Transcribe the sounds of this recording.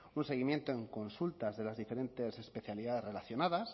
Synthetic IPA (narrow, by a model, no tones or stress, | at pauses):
unse̞ɣimje̞nt̪oeŋko̞nsult̪azðe̞lazðife̞ɾe̞nt̪e̞se̞spe̞θjaliðaðe̞zre̞laθjo̞naðas